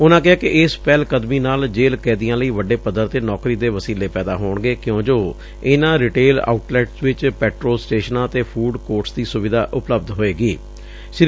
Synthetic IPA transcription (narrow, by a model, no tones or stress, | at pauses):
ʊnãːkɪɦaːkɪʔɪspɛːlkəd̪miːnaːld͡ʒeːlkɛ̃ːd̪ijãːləiːʋəɖeːpəd̪əɾt̪eːnɔːkɾiːd̪eːʋəsiːleːpɛːd̪aːɦoːɳɡeːkjõːd͡ʒoː | ɪnãːɾɪʈeːla̰ːʊʈlɛːʈsʋɪt͡ʃpɛːʈɾoːlsʈeːʃənãːt̪eːpʰuːɖkoːɾʈsd̪iːsʊʋɪd̪aːʔʊpləb̚d̪ɦoːeːɡiː | ʃɪɾ